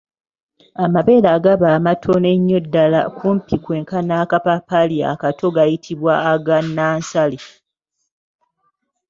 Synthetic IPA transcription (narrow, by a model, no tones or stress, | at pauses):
amaβe̞ːlaɡaβaːmatʰo̞neɲːo̞dːala̰kumpikwe̞ːŋkanaːkapapalia̰katʰo̞ɡajitʰiβwaːɡanːaːnsali